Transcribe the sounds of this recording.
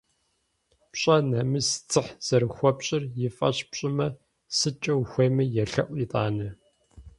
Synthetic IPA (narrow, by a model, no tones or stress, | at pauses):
pɕʼɐnɐmɨst͡sʰʼɨħz̥ɐrxʷɔpɕʼɪrjɪfʼɐ̰ɕpɕʼɪmɐ | sɨt͡ʃʼɐwxʷeːmɨjɛɬɐ̰ʔʷitʼaːnɨ